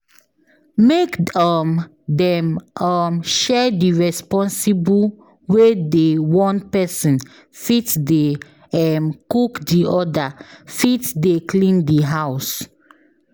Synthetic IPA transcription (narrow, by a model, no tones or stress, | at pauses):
mekɔm | dɛ̃mɔmʃɛdiɹɛspɔ̃nsibu | wedewɔ̃npɛsĩn | fitde | ɛmkukdiɔdafitdeklĩndiɦaʊs